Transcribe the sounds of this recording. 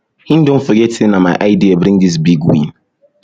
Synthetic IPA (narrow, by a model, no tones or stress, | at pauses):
hĩndʊ̃m̩foɡetʰɪnamaɪʔaɪdiabɾĩŋdis̬biɡwḭ̃n